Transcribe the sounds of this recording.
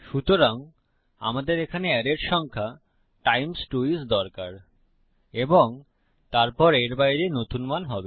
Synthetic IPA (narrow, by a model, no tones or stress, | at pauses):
ʃut̪oɾaŋ | a̰mad̪eɾekʰaneɛɾeʈʃɔŋkʰa | ʈajmsʈuisd̪ɔɾkaɾ | eboŋ | t̪aɾpɔɾeɾbajɾenot̪unmanɦɔbe